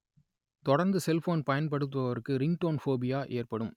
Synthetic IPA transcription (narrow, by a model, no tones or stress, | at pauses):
t̪ɔɽɐɾnd̪ɯsɛlfoːnpɐjɐnpɐɽɯt̪̬ːɯɐʋɐɾɯkːɯɾɪŋʈoːnfoːbɪjaːʔeːrpɐɽɯm